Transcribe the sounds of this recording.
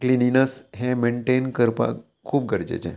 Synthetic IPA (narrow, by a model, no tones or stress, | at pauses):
klininəsɦẽmẽɳʈenkəɾpa̰ | kʰuːp̚ɡʱəɾd͡ʒḛt͡ʃʰḛ̃